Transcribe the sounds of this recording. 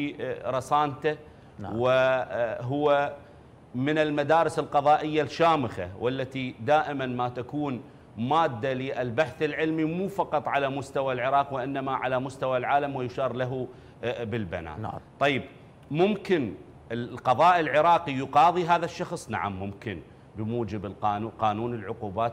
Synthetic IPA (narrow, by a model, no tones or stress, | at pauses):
ɾˤɑsˤɑːnt̪a | wɪ | ɦʊwːa | mɪnɪlmad̪aːɾɪsɪlqɑðˤɑːʔɪjːalʃaːmɪxa̰wʔalːat̪id̪aːʔɪmanmat̪akuːn | maːd̪ːaliʔɪlbaħθɪlʕɪlmimuːfɑqɑt̪ˤʕalamʊst̪awalʕɪɾˤɑːqwɪʔɪnːamaʕalamʊst̪awalʕaːlamwɪjʃɑːɾˤlaɦu | bɪlba̰na̰ːt̪ˤːɑjːɪb̚ | mʊmkɪn | ɪqɑðˤɑːʔɪlʕɪɾˤɑːqijʊqɑːðˤiɦaːðaʃːɑxsˤna̰ʕa̰mːʊmkɪn | bəmuːd͡ʒɪbɪlqɑːnuqɑːnuːnɪlʕʊquːbaːt̪